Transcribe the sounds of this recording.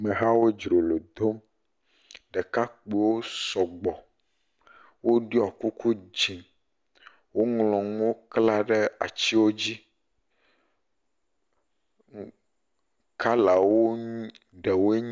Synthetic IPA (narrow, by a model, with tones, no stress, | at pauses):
mɛ˨ɦa˦wo˦d͡ʒɾo˨lo˨d̪o˦m | ɖɛ˨ka˦k͡pe˨wo˦sɔ˨ɡ͡bɔ˨ | wo˦ɖi˦˨a˨ku˦kʰu˦d͡ʑi˨m | wo˦ŋlɔ̃˨ŋũ˦wo˦kla˦ɖɛ˦a̰˨t͡ɕi˦wo˦d͡ʑi˦ | ka˦la˨wo˦ | ɖɛ˨wo˦e˦ɲ